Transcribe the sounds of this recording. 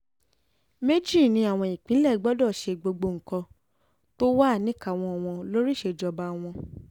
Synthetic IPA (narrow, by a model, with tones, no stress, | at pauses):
me˦d͡ʒi˦˨nĩ˧˦a˨w̃ɔ̃˧i˨k͡pĩ˨˦lɛ˦˨˦ɡ͡bɔ˦dɔ˦˨ʃe˧ɡ͡bo˧ɡ͡bo˧ŋ̩˨kɔ̃˧ | to˦wa˦a˦˨nĩ˦ka˦˨w̃ɔ̃˧˨w̃ɔ̃˧lo˦ɾi˦ʃe˧d͡ʒɔ˧ba˧w̃ɔ̃˧